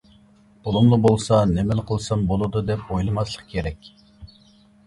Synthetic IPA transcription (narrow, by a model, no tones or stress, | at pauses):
olˠumlˠubolˠsɑnemɛlqʰəlˠsɑmbolˠɨd̪ud̪ɛpojlˠɨmɑslˠəqkʲʰeɾɛkʲ